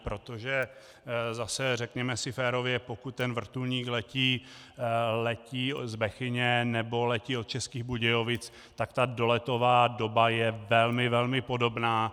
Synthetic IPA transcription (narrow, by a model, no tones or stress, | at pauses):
pɾo̞t̪o̞ʒɛ | zasɛrɛkɲɛmɛsɪfɛːɾo̞vjɛpo̞kut̪̚ːɛnvr̩t̪ulɲiːklɛciː | lɛciːzbɛxɪɲɛnɛbo̞lɛciːot̪̚t͡ʃɛskiːɣbuɟɛjo̞vɪt͡s | t̪akt̪ado̞lɛt̪o̞vaːdo̞bajɛvɛlmɪvɛlmɪpo̞do̞bnaː